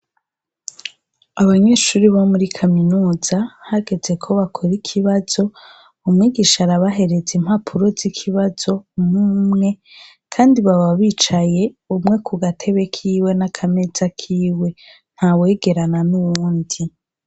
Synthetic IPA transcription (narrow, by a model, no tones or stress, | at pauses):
aβaɲe̞ːʃuːɾiβomuɾikʰaminuːz̥ahaɡe̞d͡ze̞kʰo̞βakʰo̞ɾikʰiβaz̥o̞ | umŋiːɡiʃaɾaβaɦe̞ɾe̞zim̥hapʰuɾo̞zikʰiβazo̞mumŋe̞ | kʰaːndiβaβaβiːt͡ʃaje̞umŋe̞kuɡatʰe̞βe̞kʰiːwe̞nakʰame̞z̥akʰiːwe̞ | n̥hawe̞ːɡe̞ɾananuβuːndi